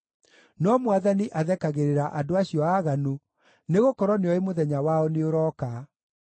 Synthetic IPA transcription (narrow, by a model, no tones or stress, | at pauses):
nɔmwaðaniʔaðɛkaɣeɾeɾaʔadoaɕiɔaːɣano | neɣokɔɾɔneɔemoðɛɲawaɔneoɾɔːka